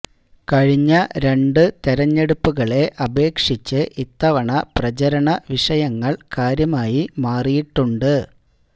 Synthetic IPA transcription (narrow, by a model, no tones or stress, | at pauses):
kɐɻiɲːɐɾe̞ɳɖɨt̪eɾɐɲːe̞ɽupːuɣɐɭe̞ʔɐbe̞ːkʂit͡ɕːɨʔit̪ːɐʋɐɳɐprɐt͡ɕɐɾɐɳɐʋiʂɐjɐŋːɐɭkaːɾjɐmaːjimaːrijiʈːuɳɖɨ